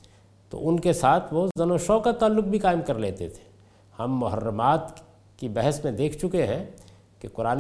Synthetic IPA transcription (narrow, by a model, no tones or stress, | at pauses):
t̪o̰ʔʊnkesaːt̪ʰʋozɐnoːʃɔːkat̪aːlːʊk̚bʱikaːɪmkɐɾleːt̪ḛt̪ʰe̥ː | hɐmːʊɦə̰ɾːəmaːt̪ | kibɛɦəsmẽd̪eːkʰt͡ʃʊkeɦɛ̃ | kekʊɾaːn